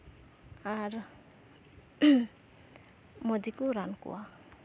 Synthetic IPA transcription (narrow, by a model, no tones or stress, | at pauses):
aɾ | mɔd̪ikuɾankṵa